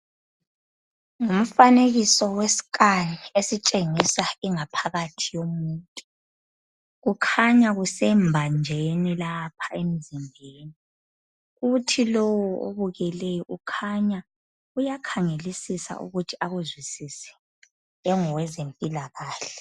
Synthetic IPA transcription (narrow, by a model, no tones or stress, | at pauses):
ŋum̩faneɣisɔwesi̥kʼaniesit͡ʃʼeŋisaiŋapʰaɣatʰijomuːtʼu̥ | ɣukʰaɲaɣusɛmbʱand͡ʒʱenilapʰḁem̩zimbʱeːni | ɣutʰilɔwɔo̰βuɣɛlɛjɔʔukʰaɲa | ujakʰaŋelisisa̰ʔṵɣutʰiaɣuzwisisɛ̥ | ɛŋɔwɛzempʼilaɣaːɬɛ